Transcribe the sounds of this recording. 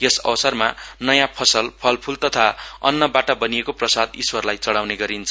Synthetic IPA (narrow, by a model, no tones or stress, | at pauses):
jesʌ̰bʌsʌrmanʌjãpʰʌsʌlpʰʌlpʰult̪ʌt̪ʰaʌ̰nːʌbaʈabʌnijekoprʌsad̪iswʌrlajt͡sʌɽawneɡʌɾint͡sʰʌ